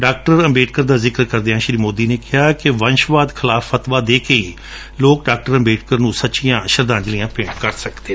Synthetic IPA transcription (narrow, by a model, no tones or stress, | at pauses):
ɖaːk̚ʈəɾəmbeːʈ̚kəɾd̪aːzɪkəɾkəɾd̪eːãːʃɾiːmoːd̪iːneːkɪɦaːkɪʋənʃʋaːd̪kʰɪlaːfːət̪ʋaːd̪eːkeːiː | loːkɖaːk̚ʈəɾə̃mbeːʈ̚kəɾnũːsətːʃijãːʃəɾd̪ãːɲd͡ʒlijãːpɪ̃ɳɖkəɾsəkd̪eː